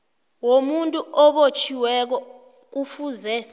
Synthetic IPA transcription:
womuntʼuʔɔɓot͡ʃʰiwɛk̬ɔ | k̬ufuzɛ

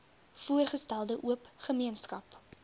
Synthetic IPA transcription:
fuərχəstælˠdəʔuəpχəmiənskɐp

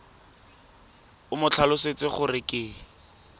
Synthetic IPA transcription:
ʊmʊt͡ɬʰalʊset͡sɪχʊrɪkʼɪ

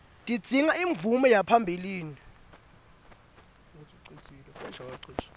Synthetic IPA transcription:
dʼi̥d͡z̥ʱiŋaiɱvumɛjapʰambʱiliːni | t͡sʼiǀit͡sʼilɛʃʰakaǀit͡ʃ

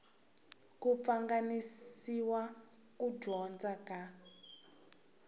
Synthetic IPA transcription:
kup̪faŋɡanisiwa | kudɔnd͡zaka

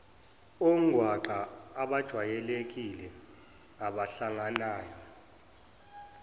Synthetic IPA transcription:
oŋ̩ʱwaǃʱaːɓad̥ʒ̥ʱwajɛlek̬ilɛ | aɓaɬaŋanaːjɔ

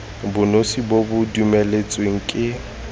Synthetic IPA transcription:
bʊnosibobʊdumelet͡sʼweŋ̩kʼɪ

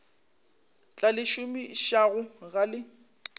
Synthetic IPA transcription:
t͡ɬʼalɪʃʊmiʃaɣʊɣalɪ

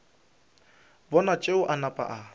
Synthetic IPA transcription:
bɔnat͡ʃʼeʊʔanapʼa̰ʔa

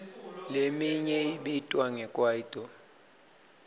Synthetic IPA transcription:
lemiɲɛiɓitʼwaŋɛkʼwaid̥ʱɔ

